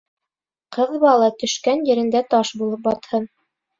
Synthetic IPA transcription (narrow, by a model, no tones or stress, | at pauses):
qɤðβɑlˠɑt̪ɵ̆ʃkænjɘ̆ɾɘ̆nd̪æt̪ɑʃbulˠɤp̚bɑt̪hɤn